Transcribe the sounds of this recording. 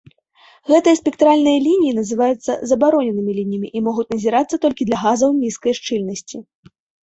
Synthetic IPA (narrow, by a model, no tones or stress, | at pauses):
ɣɛt̪ɨjɐspʲɛkt̪ɾalʲnɨjɐlʲinʲijinɐzɨvajut̪sːɐ̰zɐbaɾɔnʲɛnɨmʲilʲinʲijɐmʲiʔimɔɣut͡sʲnɐzʲiɾat̪sːɐt̪ɔlʲkʲid̪lʲɐɣazɐwnʲiskɐjʂt͡ʂɨlʲnɐsʲt͡sʲi